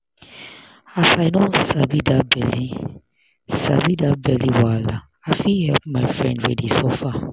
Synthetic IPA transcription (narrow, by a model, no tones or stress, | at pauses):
asaɪnɔ̃nsabidabɛli | sa̰bidabɛliwala | afihɛlp̚maɪfɹɛ̰̃ndɹɛdisɔfa